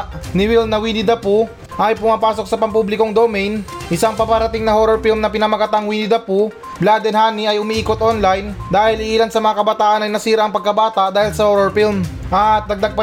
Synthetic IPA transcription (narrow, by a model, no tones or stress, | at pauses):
nɪwilnɐwinɪd̪ɐpu | ʔɐjpʊmapaːso̞k̚sɐpɐmpublɪkoŋd̪omɛjnʔɪsaŋpɐpɐɾɐt̪ɪŋnɐhoːɾoɹfilmnɐpɪnɐmɐɡɐt̪aŋwinɪd̪ɐpu | blad̪ɛnhaːniɐjʊmiʔiːkot̪ʔonlɐjnd̪aːhɪlɪʔiːlɐnsɐmɐŋakɐbɐt̪aːʔɐnɐjnɐsiːɾɐʔːŋpɐɡ̚kɐbaːt̪ɐʔd̪aːhɪlsɐhoɾoɹfilm | ʔɐt̪̚d̪ɐɡ̚d̪ɐɡ̚pɐ